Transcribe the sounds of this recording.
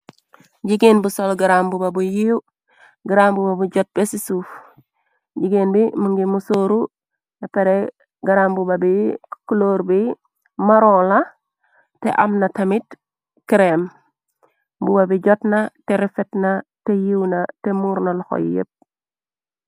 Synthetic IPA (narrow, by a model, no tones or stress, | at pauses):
ɟiɡinbusolɡiɾambubabujiu | ɡiɾambubabuɟot̚besisuf | ɟiɡenbimuŋɡimusoɾu | apeɾe | ɡaɾambubabikuloɾbi | maɾola | tḛʔamnatamit | kiɾem | bubabiɟotnateɾifetnatejiwnatemuɾnaloxo̰j̰jḛt̚